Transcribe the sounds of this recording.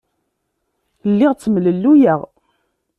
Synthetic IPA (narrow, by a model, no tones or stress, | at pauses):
lːɪʁt͡sːəmləlːujəʁ